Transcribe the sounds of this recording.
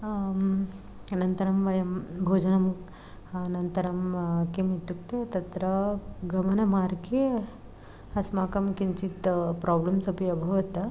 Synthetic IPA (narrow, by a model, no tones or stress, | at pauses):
nɐnt̪ɐɾɐmʋɐjɐmbʱoːd͡ʒɐnɐm | nɐnt̪ɐɾɐmkemit̪ːuk̚t̪et̪ɐt̪ɾɐɡɐmɐnɐmaːɾke | ɐsmaːkɐmkint͡sit̪pɾɔːblɐmsɐpiɐbʱɐʋɐt̪ɐ